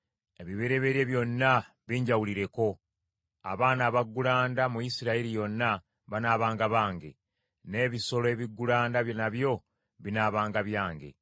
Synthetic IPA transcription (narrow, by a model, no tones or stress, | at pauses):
e̞βiβeɾe̞βe̞ɾje̞βjo̞nːa | βiːɲɟawuliɾe̞ko̞ | a̰βaːnaːβaɡːulaːndamujisiɾaiɾijo̞nːa | βanaːβaːŋɡaβaːŋɡe̞̰ | ne̞ːβiso̞loe̞βiɡːulaːndaβjonaβjo̞ | βinaːβaːŋɡaβjaːŋɡe̞̰